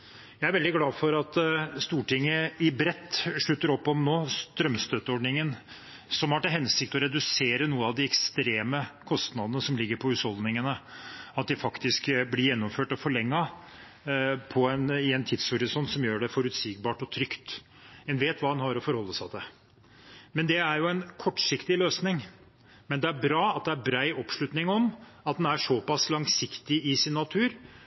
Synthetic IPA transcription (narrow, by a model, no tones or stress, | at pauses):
jæɪæɾʋɛld̪ɪɡlɑːfɔɾɑt̪st̪uːʈɪŋːəɪbɾɛt̪ːʂɭʉt̪ːəɾɔpːɔmnoːst̪ɾœmst̪øːt̪əɔɖnɪŋən | sɔmhɑʈɪɦɛnsɪk̚t̪ɔɾɛd̪ʉseːɾənuːəɑʋd̪ɪɛkst̪ɾeːməkʰɔst̪nɑd̪ənəsɔmlɪɡːəɾpʰɔhʉshɔld̪nɪŋənəɑt̪̚d̪ɪfɑkt̪ɪskblɪɾjɛnːɔmføːʈɔfɔɭɛŋːɑ | pʰɔɛnɪɛnt̪ʰɪd̪shɔɾɪsɔnt̪sɔmjøːɖɛfɔɾʉt̪siːɡ̚bɑːʈɔt̪ʰɾʏkt̪ | ɛnʋeːt̪ʋɑːd̪ɛnhɑɾɔfɔɾhɔlːəsɑt̪ʰɛ | mɛnd̪ɛæɾjʊɛnkʰɔʈːʂɪkt̪ɪløːsnɪŋ | mɛnd̪ɛæɾbɾɑːɑt̪̚d̪ɛæɾbɾæɪʔɔpʂɭʉt̪nɪŋɔm | ɑt̪̚d̪ɛnæʂɔpɑslɑŋsɪkt̪ɪɪsɪnːɑt̪ʰʉːɾ